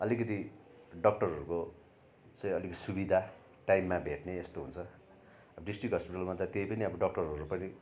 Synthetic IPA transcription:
ʌlikʌt̪̬i | ɖʌk̚ʈʌrɦʌɾuko | t͡sʌj̃ʌlikʌt̪i̥subid̪ʱa | ʈajmːabʱeʈneːst̪oɦunt͡sʰʌ | ʌbʌɖisʈrikɦʌspiʈalmat̪at̪ejpʌniʌbʌɖʌk̚ʈʌrʌɾupʌni

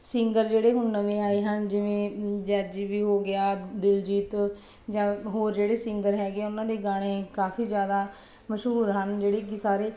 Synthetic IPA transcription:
sɪŋɡəɾd͡ʒeːɽeːɦʊnːəʋẽːaːeːɦənd͡ʒɪʋẽːd͡ʒɛːd͡ʒiʋiːɦoːɡɪjaːd̪ɪld͡ʒiːt̪ | d͡ʒãːɦoːɾd͡ʒeːɽeːsɪŋɡəɾɦɛːɡeːʊnãːd̪eːɡaːɽ̃ẽːkaːpʰiːd͡ʒjaːd̪aː | məʃɦuːɾɦənd͡ʒeːɽeːkɪsaːɾeː

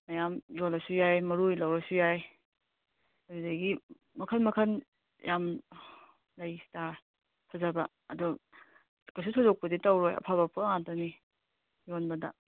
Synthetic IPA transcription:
najamjolɐsujajmɐɾujlawɾɐsujaj | adudaɡi | mɐkʰɐnmɐkʰɐn | jam | lajsta | kʰazabɐ | ɐdɔ | kasutʰozɔk̚pɐditawɾojɐ̰pʰaβapʰuɐŋatɐni | jonbɐdɐ̰

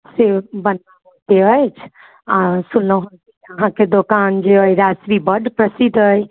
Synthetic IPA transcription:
sebənaɦot̪eəjt͡ʃʰ | asunləɦənkiəɦãked̪okand͡ʒeəjɾasɾibəɖpɾəsid̪əj

